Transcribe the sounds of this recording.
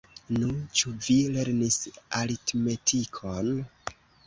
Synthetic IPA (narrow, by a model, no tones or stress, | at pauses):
nut͡ʃuvile̞ɾnisalitme̞tʰikʰon